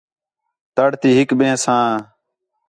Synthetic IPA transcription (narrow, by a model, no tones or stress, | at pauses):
t̪əɽt̪iːɦɪkɓẽːsãː